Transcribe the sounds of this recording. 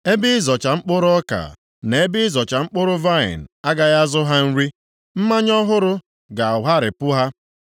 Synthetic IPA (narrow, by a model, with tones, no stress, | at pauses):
e˦bɪ˦zɔ˨t͡ʃa˨ŋ͡m̩˦k͡pʊ˦ɾʊ˦ɔ˦ka̰˨ | ne˨e˦bɪ˦ɪ˦zɔ˨t͡ʃa˨ŋ͡m̩˦k͡pʊ˦ɾʊ˦va˦ɪ̰˨n̩˨a˦ɡa˦ɣa˦zʊ˦ɦa˦n̩˦ɾi˦ | m̩˦ma˦ɲɔ˦ɦʊ˦ɾʊ˦ | ɡa˨ɦa˦ɾɪ˨pʊ˦ɦa˦